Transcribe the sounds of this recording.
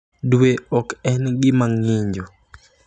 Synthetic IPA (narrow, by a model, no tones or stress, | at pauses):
duweɔkɛnɡɪmaŋɪɲd͡ʒo